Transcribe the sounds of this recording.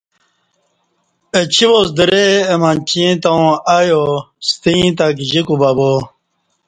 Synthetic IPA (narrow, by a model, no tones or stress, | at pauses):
et͡ɕʰibosd̪əɾeemãnt͡ɕĩt̪aw̃ajo | st̪ĩt̪̬akiʑikubabo